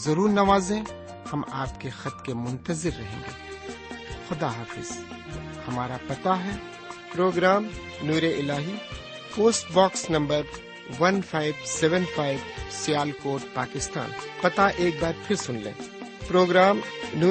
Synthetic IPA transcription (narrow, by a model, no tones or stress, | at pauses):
zɐɾuːɾnɐʋaːzẽ | hɐmaːpkexɐt̪kemʊ̃nt̪ɐzɪɾːɐɦḛ̃ːŋɡḛː | xʊd̪aɦaːfɪ̰z̥ | hɐmaːɾapɐt̪aɦɛː | pɾoːɡɾaːm | nuːɾeɪlaːɦiː | poːsʈbaːksnɐ̃mbəɾ | ʋɐnfʰaːɪbsɛʋə̃nfʰaːɪʋsijaːlkoːʈ̚paːkɪst̪a̰ːnpɐt̪aʔeːk̚baːɾpʰɪɾsʊnlḛ̃ːpɾoːɡɾaːmnuː